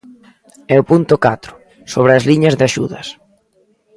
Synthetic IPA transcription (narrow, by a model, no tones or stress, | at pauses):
ɛʊpunt̪ʊkat̪ɾʊ̥ | soβ̞ɾɪɐzliɲɐzðɪaʃuðɐs